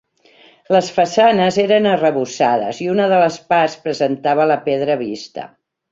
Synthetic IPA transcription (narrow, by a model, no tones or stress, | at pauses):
ləsfəsanəzeɾənərəβusaðə̰ziunəðələspaspɾəzənt̪aβələpeð̞ɾəβist̪ə̰